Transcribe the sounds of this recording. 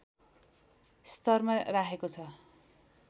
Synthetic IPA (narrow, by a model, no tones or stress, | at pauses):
st̪ʌrmarakʰekot͡sʰʌ